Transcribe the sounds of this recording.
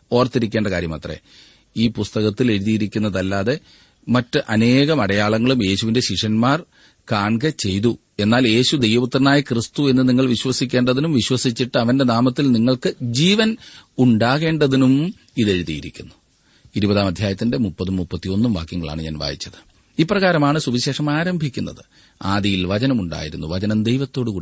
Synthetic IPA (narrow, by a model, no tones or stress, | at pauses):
o̞ːrɐt̪ːiɾikʲːe̞ːɳɖɐkaːɾjɐ̰mɐ̰t̪rḛ | iːpust̪ɐɣɐt̪ːile̞ɻuðijiɾikʲːunːɐðɐlːaːðe̞ | mɐtːɨʔɐne̞ːɣɐmɐɽɐjaːɭɐŋːɐɭume̞ːɕuʋinde̞ɕiʂɐnmaːr | kaːɳɡɐt͡ɕe̞jt̪̬u | e̞nːaːle̞ːɕud̪e̞jʋɐʋut̪ːrɐnaːjikrist̪ue̞nːɨniŋːɐɭʋiɕwɐsikʲːe̞ːɳɖɐðinumʋiɕwɐsit͡ɕːiʈːɨɐʋɐnde̞naːmɐt̪ːilniŋːɐɭkɨd͡ʑiːʋɐnuɳɖaːɣe̞ːɳɖɐðinum | iðe̞ɻuðijiɾikʲːunːu̥ | iɾubɐðaːmɐd̪ʱjaːjɐt̪ːinde̞mupːɐðumːupːɐt̪ːionːumʋa̰ːkjɐŋːɐɭa̰ːɳɨɲa̰ːnʋa̰ːjit͡ɕːɐðɨ̥ | iːpːrɐɣaːɾɐmaːɳɨsubiɕe̞ːʂɐmaːɾɐmbʱikʲːunːɐ̰ðɨ | aːðijilʋɐd͡ʑɐnɐmuɳɖa̰ːjiɾunːuʋɐd͡ʑɐnɐmd̪e̞jʋɐt̪ːo̞ːɽɨkuː